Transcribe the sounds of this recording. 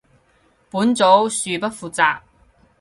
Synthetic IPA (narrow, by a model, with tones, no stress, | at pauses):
puː˨˥nt͡so˨˥wsyː˨˧pɐ˥t̚fuː˨t͡saː˧k̚